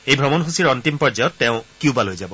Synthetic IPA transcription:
ejbʱɹɔmɔnɦusiɹɔntimpɔɹzajɔtːɛʊ̃kjubalojzabɔ

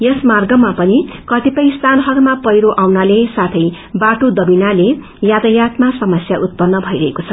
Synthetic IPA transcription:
jʌsmarɡʌmapʌnikʌt̪ipʌjst̪ʰanɦʌɾmapʌjɾoʔawnalesat̪ʰʌj | baʈod̪ʌbinale | jad̪ʌjat̪masʌmʌsjaʔut̪̚pʌnːʌbʱʌjɾʌɦekot͡sʰʌ

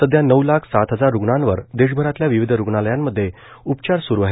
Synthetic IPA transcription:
t̪əd̪janəwlakʰsat̪ɦəd͡zaɾːuɡɳãnʋəɾd̪eɕ̬bʱəɾat̪ljaʋiʋid̪ʱɾuɡɳaləjamːəd̪ʱːje | upt͡ɕaɾsuɾuʋaɦe

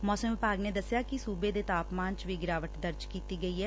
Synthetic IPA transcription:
mɔːsəmʋɪpaːɡneːd̪əsɪjaːkɪsuːbeːd̪eːt̪aːpmaːnt͡ʃʋiːɡɪɾaːʋəʈd̪əɾd͡ʒkiːt̪iːɡəiːɦɛː

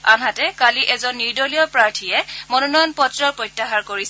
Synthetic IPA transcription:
anɦatɛkaliʔɛzɔnːiɹdɔlijɔpɹaɹtʰijɛmɔnɔnɔjɔnpɔtɹɔɹpɹɔjtːaɦaɹkoɹisɛ

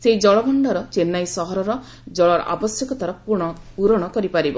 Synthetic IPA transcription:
seid͡ʒɔɭɔɡʱɔɳɖɔɾɔt͡ʃenːajsɔɦɔɾɔɾɔ | d͡ʒɔɭɔɾɔ̰ʔa̰bɔsjɔkɔt̪aɾɔupuɾɔɽ̃ɔkɔɾipaɾibɔ

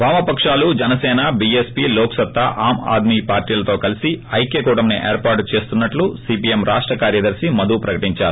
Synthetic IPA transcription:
ʋaːmɐpɐkʂaːlud͡ʒɛnɐsɛːnɐbiespiːloːksɐt̪ːaʔaːma̰ːd̪miːpaːɾʈiːlɐt̪o̞ːkɐlisiɐjkeːkuːʈɐmniʔeːɾpaːɾʈt͡ʃe̞ːst̪unːɐʈlusiːpiemɾʔaːʂʈɾɐkaːɾjɐd̪ɐɾsimɐd̪upɾɐkɐʈiɲt͡ʃaːɾu

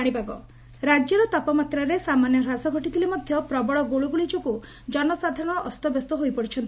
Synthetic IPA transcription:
aɽ̃ibaɡɔ | ɾad͡ʒɔɾɔt̪ɔpɔmat̪ɾaɾesamanjɔɾasɔɡʱɔʈit̪ʰilemɔd̪ʱjɔpɾɔbɔɭɔɡoɭuɡuɭid͡ʒɔku | d͡ʒɔnɔsad̪ʱaɾɔɽ̃ɔʔɔst̪ɔbest̪ɔɦojpɔɽit͡ʃʰɔnt̪i

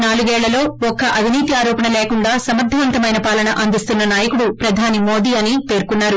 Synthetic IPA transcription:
naːluɡɛːɭːɐlo̞ːɔkːɐʔɐʋiniːt̪iaːɾoːpɐɳɐleːkuɳɖaːsɐmɐɾd̪ʱɐʋɐnt̪ɐmɐjnɐpaːlɐnɐʔɐnd̪ist̪unːɐnaːjɐkuɽupɾɐd̪ʱaːnimo̞ːd̪iːɐnipe̞ːɾkunːaːɾu

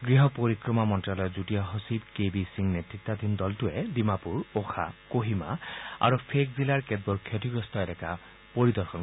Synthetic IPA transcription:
ɡɹiɦɔpoɾikɹɔmamɔntɹalɔjɔzutijaɦosibkebisiŋnetɹit̪ːad̪ind̪ɔltued̪imapuɹoxʰa̰koɦima̰a̰ɾupʰek̚zilaɹked̪̚bɔɹkʰjɔtiɡɹɔst̪ɔedɛka | poɹid̪ɔɹxʰɔn

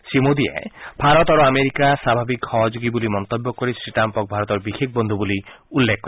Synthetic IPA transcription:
simod̪iḛbʱaɾɔt̪ɔɾoameɾikasabʱabikʰxɔɦɔd͡ʒoɡibulimɔnt̪ɔbːɔkɔɾisɾiʈampɔk̚bʱaɾɔt̪ɔɾbixek̚ʰbɔnd̪ʱubuliulːekʰkɔɾ

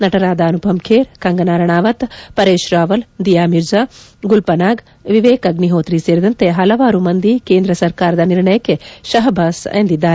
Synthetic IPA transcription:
nɐʈɐɾaːd̪aːɐnupʰɐmkʰeːɾkɐŋɡɐnaːɾɐɳ̃aːʋɐt̪pɐɾeːʃɾaːʋɐld̪ijaːmiɾd͡ʒaːɡʊlpɐnaːɡ | ʋiʋeːkɐɡniɦoːt̪ɾiseːɾd̪ɐnt̪eɦɐlɐʋaːɾumɐnd̪ikẽːnd̪ɾɐsɐɾkaːɾd̪aniɾɳɐjkeʃɐɦbʱaːsɐ̰̃ːnd̪id̪aː

